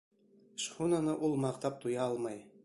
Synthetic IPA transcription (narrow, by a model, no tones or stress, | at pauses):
ʃχunɤ̆nɤ̆ʔulˠmɑqt̪ɑp̚t̪ujɑɑlˠmɑj